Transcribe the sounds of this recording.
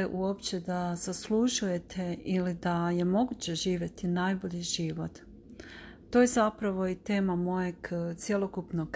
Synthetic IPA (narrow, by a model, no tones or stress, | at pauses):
ʔuo̞pt͡ɕe̞d̪az̥asluʒuje̞t̪ʰe̞ʔilid̪aje̞mo̞ɡut͡ɕe̞ʒiːʋje̞t̪inajbo̞ʎiʒiʋo̞t̪ː | oje̞zapɾaʋo̞it̪e̞ːmamo̞je̞ɡt̪sje̞lˠo̞kupnoɡ